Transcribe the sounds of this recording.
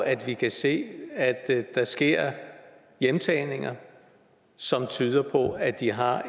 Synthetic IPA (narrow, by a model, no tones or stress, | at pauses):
ʔæd̥ʋikʰæse̝̰ːæd̥d̥ɑsɡ̥e̝ɐ̰ | jemt͡sʰɛːne̝ŋɐ | sɒ̽mt͡sʰyːð̞ˠɐpʰɒ̽æd̥iɦɑ̈